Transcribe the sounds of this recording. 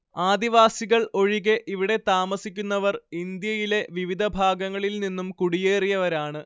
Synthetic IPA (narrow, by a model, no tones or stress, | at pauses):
aːd̪iʋaːsiɣɐɭo̞ɻiɣeʔiʋiɽe̞t̪aːmɐsikʲːunːɐʋɐrind̪jɐjile̞ʋiʋid̪ʱɐbʱaːɡɐŋːɐɭilninːumkuɽije̞ːrijɐʋɐɾaːɳɨ